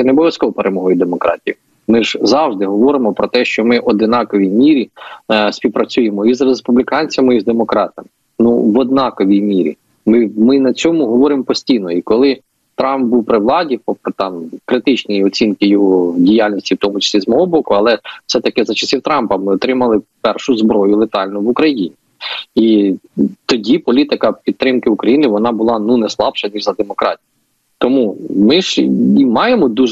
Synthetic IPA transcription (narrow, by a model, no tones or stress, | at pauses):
ɛnebɔʋʲjɐskɔʋɔpeɾʔemɔɦɔjud̪emɔkɾʔɑ̰tʲij | mɪʒ̥zɑwʒd̪ɪɦɔʋɔɾɪmɔpɾɔt̪ɛʃt͡ʃɔmɪʔɔd̪ɪnɑkɔʋʲijmʲiɾʲisʲpʲiwpɾɐt͡sʲujemɔizrespublʲikɑnʲt͡sʲɐmɪizd̪emɔkɾɑt̪ɐmɪ | nṵʋɔd̪̚nɑkɔʋʲijmʲiɾʲḭ | mɪmɪnɐt͡sʲɔmʊɦɔʋɔɾɪmpɔsʲtʲijnɔikɔlˠɪ | t̪ɾɑmp̚buwpɾɪʋlˠɑdʲipɔpt̪ɑmkɾɪt̪ɪt͡ʃnɔjiɔt͡sʲinkɪjɔɦɔdʲijalʲnʲisʲtʲiwt̪ɔmʊt͡ʃɐ̥sʲizmɔɦɔbɔkʊɐlˠɛwsɛt̪ɐkɪzɐt͡ʃɐsʲiwt̪ɾɑmpɐmɪɔt̪ɾɪmɐlˠɪpɛrʃʊzbɾɔjʊlˠet̪ɑlʲnʊʋukɾɐjinʲi | i | t̪ɔdʲipɔlʲit̪ɪkɐpʲidt̪ːɾɪmkɪukɾɐjinɪʋɔnɑbʊlˠɑnunɛslˠɑbʃɐnʲiʒzɐd̪emɔkɾɑ̰tʲij | t̪ɔmumɪʒimɑjemɔd̪uʒ